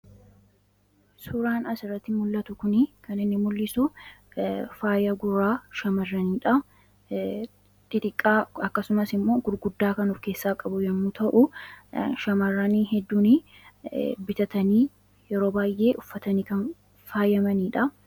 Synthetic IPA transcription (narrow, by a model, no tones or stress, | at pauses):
sʊɾaːnɐsɪrɐt̪ːɪmʊlːɐt̪ʊkʊnɪkɐnɪnːɪmʊlːɪsʊ | faːjɐɡʊɾaːʃɐmɐrːɐniːᶑɐ | t̪ʼɪt̪ʼɪkʼːaːɐkːɐsʊmɐsɪmːo̞ːɡʊɾɡʊd̪ːaːkɐnʊfke̞ːsːaːkʼɐbʊd͡ʒɐmːut̪ɐʔʊ | ʃɐmɐrːɐniːɦɛd̪ːuːnɪ | bɪt̪ɐt̪ɐniː | jɛɾo̞ːbaːjʔe̞ːʔʊfːɐt̪ɐniːkɐn | faːjɐmɐniːᶑɐ